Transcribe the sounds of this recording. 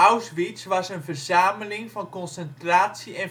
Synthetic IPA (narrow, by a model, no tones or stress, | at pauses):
awsʋisʋɑsənvərzaːməlɪŋvɑnkɔnsɛntraːtsiɛn